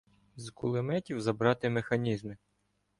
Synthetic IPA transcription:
zkʊlˠɪmɛtʲiwzɐbɾɑt̪ɪmexɐnʲizmɪ

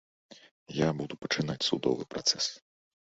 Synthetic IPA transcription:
jabud̪upɐ̥t͡ʂɨnat͡sʲsud̪ɔ̰vɨ̰pɾat̪sɛs

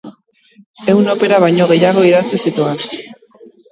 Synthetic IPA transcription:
e̞wno̞pe̞ɾaβ̞ajɲo̞ɣ̞e̞jaɣo̞iðat͡sisit̪uen

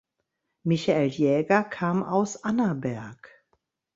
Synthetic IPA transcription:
mɪçaʔeljɛːɡɐkʰaːma̰ʊsʔanɐbɛɐk

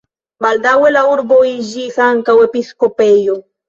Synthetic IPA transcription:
bald̪awelauɾboiʒisaŋkawepiskopejo

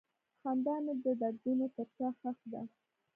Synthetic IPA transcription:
xɑnd̪ɑned̪əd̪aɽɡunot̪əɾt͡ʃɑxaxd̪a̰

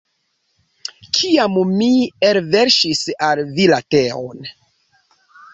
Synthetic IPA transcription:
kʰiammielveɾʃisalvilateo̰n

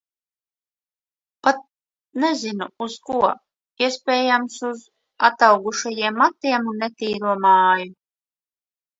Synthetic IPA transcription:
pat̪̚ | nɛzinuuzkuɔ | iɛspʲɛːjamsuz | at̪awɡuʃajiɛmːat̪iɛmunːet̪iːɾuɔmaːju

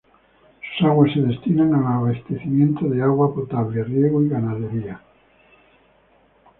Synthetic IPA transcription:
so̥saɣwesːeðest̪inaŋaaaβast̪eθimẽnt̪oðeaɣwapot̪aβlerjeɣoiɣanaðeɾia

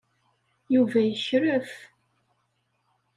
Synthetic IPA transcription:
juvæjəçɾəf

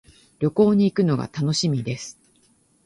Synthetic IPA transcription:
ɾʲjo̞ko̞ːɲ̟iːkɯ̟no̞ɡa̰t̪ano̞ɕimʲid̪e̞sɨ̥

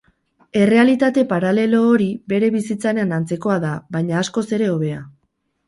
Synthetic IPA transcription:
e̞re̞alit̪at̪e̞paɾale̞lo̞ːɾibe̞ɾe̞βisit͡saɾeanant͡se̞ko̞aðaβajɲaːsko̞se̞ɾe̞o̞βe̞a

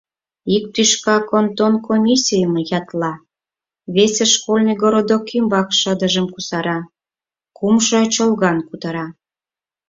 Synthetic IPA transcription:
ik̚t̪yʃkɑkont̪onkomʲisʲijəməjɑt̪lɑ | βeseʃkolʲnɨɡoɾod̪okimbɑkʃəd̪əʒəmkusɑɾɑ | kumʃot͡ɕolɣɑnkut̪ɑɾɑ

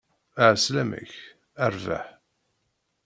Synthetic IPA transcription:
aʕəslæmə̰ç | æɾva̰ħ

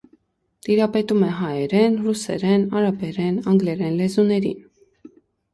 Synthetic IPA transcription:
t̪iɾɑpɛt̪umɛɦɑjɛɾɛnrusɛ̰ɾɛnɑɾɑpɛɾɛnɑŋɡlɛɾɛnlɛzunɛɾḭn

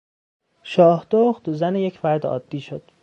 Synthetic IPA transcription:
ʃɒːhd̪̥oχt̪zænejecʰfæɾd̪eɒ̰ːd̪̥ːiːʃod̪̥

